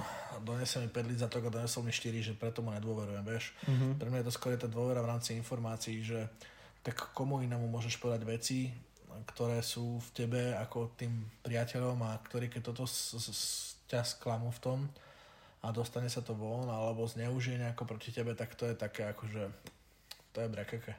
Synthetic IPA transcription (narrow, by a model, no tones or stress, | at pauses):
d̪ɔɲɛsɛlmipɛɟlid͡zat̪ɔɡad̪ɔɲɛsɔlmiʃt̪iɾiʒɛpɾɛt̪ɔmuɲɛd̪ʊɔʋɛɾujɛmʋɪɛʃppɾɛmɲajɛt̪ɔskɔɾɔjɛt̪aːd̪ʊɔʋɛɾavɾaːmt͡siinfɔɾmaːt͡siːʒɛ | t̪akːɔmuinamumʊɔʒɛʃpɔɛd̪aɟʋɛt͡si | kt̪ɔɾɛːsuːfcɛbɛakɔt̪iːmpɾɪacɛʎɔmakt̪ɔɾiːkɛc̚t̪ɔt̪ɔs | casklamuft̪ɔm | ad̪ɔst̪aɲɛsat̪ɔʋɔnalɛbɔzɲɛuʒiɛɲɛakɔpɾɔcicɛbɛt̪akt̪ɔjɛt̪akɛːakɔʒɛ | t̪ɔjɛbɾɛkɛkɛ